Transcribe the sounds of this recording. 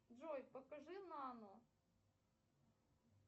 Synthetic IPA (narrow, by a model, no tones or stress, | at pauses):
ʐɔjpɐkɐʐɨnɐːnɔ